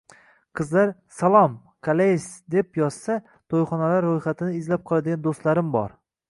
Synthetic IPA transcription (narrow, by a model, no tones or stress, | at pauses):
qʰɨzlaɾsalˠɒm | kʰalesd̪e̞pjɒz̥sa | t̪ʰojχɒnalaɾːojχat̪ʰɪnɪɪzlap̚qʰɒlˠad̪ɪɡʲand̪ost̪laɾɪmbɒ̰ɾ